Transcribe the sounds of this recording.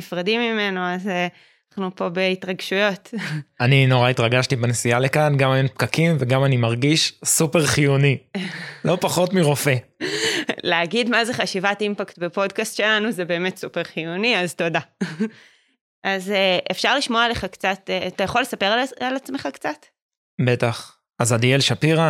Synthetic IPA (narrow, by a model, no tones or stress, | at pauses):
ifʁadimːime̞noaze | aχnupo̞be̞itʁaɡʃujo̞tanino̞ʁaitʁaɡaʃtibenesijalekanɡamajompkakimveɡamanimaʁɡiʃsupeʁχijunilo̞paχo̞tmiʁo̞fe | leaɡidmaze̞χaʃivatimpaktbepo̞dkastʃe̞lanuzebe̞ːmetsupeʁχijuniazto̞da | ʔazeʔefʃaʁliʃmoaleχakt͡satetajaχo̞lːe̞sape̞ʁalalat͡smeχakt͡sat | bet̪aχ | azadielʃapiʁa